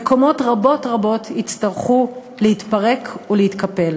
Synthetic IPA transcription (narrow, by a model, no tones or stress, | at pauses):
eko̞mo̞tʁabo̞tʁabo̞tit͡staʁχu | leit̪paʁe̞kʰuleitkape̞l